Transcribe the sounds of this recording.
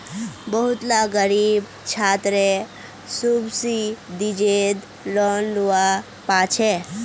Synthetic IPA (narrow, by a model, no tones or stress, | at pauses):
bəɦut̪laɡəɾib | t͡ʃʰat̪ɾe | subsid̪id͡ʒed̪ | lɔnluʋa | pat͡ʃʰe